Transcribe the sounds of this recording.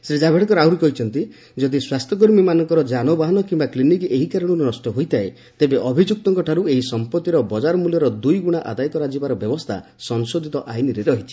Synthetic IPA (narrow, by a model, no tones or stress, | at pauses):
sɾid͡ʒabʱeɽekɔɾawɾikɔɦit͡ʃʰɔnt̪i | d͡ʒɔd̪iswast̪ʰjɔk̬oɾmimanɔŋkɔɾɔd͡ʒanɔbaɦɔnɔkimbaklinikeɦikaɾɔɽ̃uɾenɔsʈɔɦojt̪ʰae | t̪ebeʔɔbʱid͡ʒuk̚t̪ɔŋkɔʈʰaɾueɦisɔmpɔt̪ːiɾɔbɔd͡ʒaɾɔmuljɔɾɔd̪ujɡuɽ̃aʔa̰d̪ajɔkɔɾad͡ʒibaɾɔbjɔbɔst̪ʰa̰sɔŋsod̪ʱit̪ɔʔajniɾeɾɔɦit͡ʃʰi̥